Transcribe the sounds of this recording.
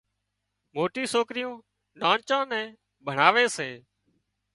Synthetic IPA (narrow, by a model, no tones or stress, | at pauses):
moːʈĩːsoːkɾɪjũː | ɗãːnt͡ʃãːnɛ̃ː | bʱəɳ̤aːʋeːseː